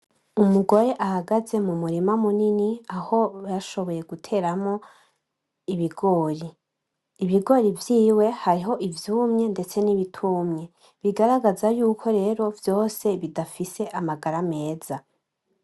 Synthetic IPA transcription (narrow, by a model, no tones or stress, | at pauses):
umuɡo̞ɾe̞ʔahaɡaze̞mumuɾimamuniniaho̞jaʃo̞βo̞je̞ɡutʰe̞ːɾamŋo̞ | iβiɡo̞ːɾiː | βiɡo̞ɾivjiːwe̞haɾiɦo̞ʔivjuːmɲe̞nde̞t͡se̞niβitʰumɲe̞ | βiɡaɾaɡazajuːkʰo̞ɾe̞ːɾo̞vjo̞ːse̞βidafise̞ʔamaɡaɾame̞ːza